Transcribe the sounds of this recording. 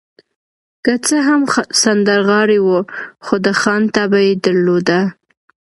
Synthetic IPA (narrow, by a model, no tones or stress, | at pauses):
kət͡səɦamsand̪əɾɣɑɽiwuxod̪əxɑnt̪abajed̪əɾlod̪a